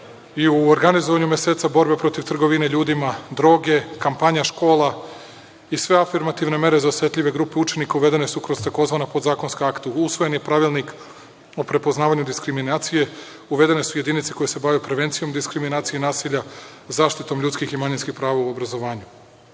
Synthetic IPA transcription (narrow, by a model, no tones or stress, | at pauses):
iuoɾɡanizoʋaɲumje̞seːt̪sabo̞ɾbe̞pɾo̞t̪iʋt̪r̩ɡo̞ʋineʎuːd̪imad̪ɾo̞ːɡe̞kampaɲaʃko̞ːlˠa | isʋe̞afiɾmat̪iʋne̞me̞ɾe̞zaosʋe̞t̪ʎʲiʋe̞ɡɾuːpe̞ut͡ʃe̞nikauʋe̞d̪e̞ne̞sukɾo̞zt̪ako̞zʋaːnapo̞d̪zaːko̞nskaakt̪usʋo̞je̞nje̞pɾaʋilˠnik | opɾe̞poznaːʋaɲud̪iskɾiminaːt̪sije̞ | uʋe̞d̪e̞ne̞suje̞d̪init̪seko̞jese̞baʋjupɾeʋe̞nt̪sijo̞md̪iskɾiminaːt̪sijenaːsiʎazaːʃt̪it̪o̞mʎut̪skiximaɲinskixpɾaːʋauo̞bɾazo̞ʋaːɲu